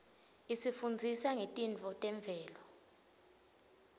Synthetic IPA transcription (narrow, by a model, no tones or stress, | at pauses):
isifund͡zʱisaŋetʼint͡fɔtʼɛɱb̪vʱɛːlɔ